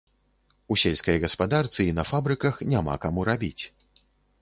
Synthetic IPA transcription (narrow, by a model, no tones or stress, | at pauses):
usʲelʲskɐjɣɐspad̪art̪sɨinɐfabɾɨkɐxnʲama̰kamuɾabʲit͡sʲ